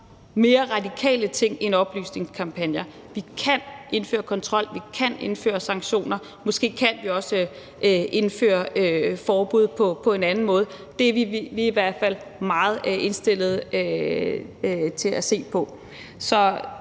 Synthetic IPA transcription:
me̝ːɐʁɑ̈dikʰɛ̰ːlət͡sʰe̝ŋ̰enɒ̽b̥ly̰ːsne̝ŋskʰɑ̈mpʰænjɐ | ʋikʰæne̝nfø̰ːɐkʰɒ̽nt͡sʰʁɒ̽l̰ʋikʰæne̝nfø̰ːɐsɑ̈ŋɕo̝̰ːnɐ | mɔ̽sɡ̥e̝̰ːkʰænʋiɒ̽sə | ʔʔe̝nfø̰ːɐøfɒːb̥uð̞̰ˠpʰɒ̽pʰɒ̽e̝nænn̩mɔ̽ːð̞̩ˠ | d̥e̝ʋiʋiiʋæɐ̰d̥fæl̰ | mɑ̈ːð̞̩ˠe̝nsd̥e̝l̰ð̞̩ˠ | t͡sʰe̝læse̝̰ːpʰɒ̽ | sɒ̽

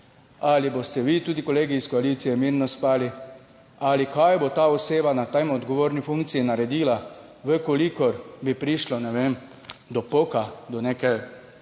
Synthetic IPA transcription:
alibost̪ɛʋiːt̪uːd̪ikoleːɡiːskoaliːt̪sijɛmiːɾnɔspaːli | alikʰajbot̪aːɔseːbanat̪ɛjmɔd̪ɡɔʋoːɾnifuŋkt̪siinaɾɛd̪iːla | ʋəkolikɔɾbipɾiʃlɔnɛʋeːm | d̪ɔpokad̪ɔnekɛj

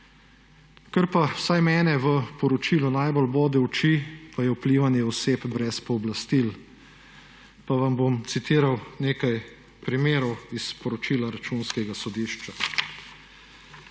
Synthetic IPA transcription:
kəɾpasajmɛːnɛʋəpɔɾɔt͡ʃiːlɔnajbolboːd̪ɛwt͡ʃipajɛupliːʋanjɛɔseːpbɾɛspɔːblast̪il | paʋambomt̪sit̪iːɾawneːkaj | pɾimeːɾɔwispɔɾɔt͡ʃiːlaɾat͡ʃuːnskɛɡasɔd̪iːʃt͡ʃa

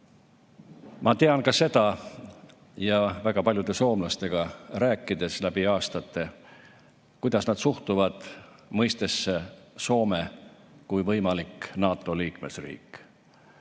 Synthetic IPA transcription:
mʔɑt̪e̞ɑnkɑse̞d̪̥ɑ | jɑvæɡ̥ɑpɑlʲjud̪̥e̞so̞ːmlɑst̪e̞ɡ̥ɑræːkːˑid̪e̞slæb̥iɑːst̪ɑt̪ˑːe̞ | kujd̪̥ɑsnɑd̪̥suht̪uvɑd̪̥ | mɤjst̪esːeso̞ːme | kujvɤjmɑliknɑːt̪ːˑo̞liːkmesrḭːk

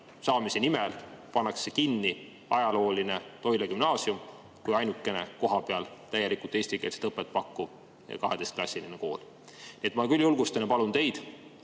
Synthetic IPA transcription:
sɑːmisenimɛlpɑnːɑksekinːi | ɑjɑlo̞ːlinet̪o̞jleɡymnɑːsium | kujɑjnukːˑe̞ne̞̰ko̞ɦɑpeɑlt̪æjelikult̪ːˑesʲt̪ikḛltse̥t̪ɤpːˑet̪̚ːˑpɑkːṵ | kɑɦed̪e̞st̪̚klɑsʲːilineko̞̰ːl | niet̪mɑkylʲjulɡ̥ust̪ɑnjɑpɑlunt̪e̞jd̪̥

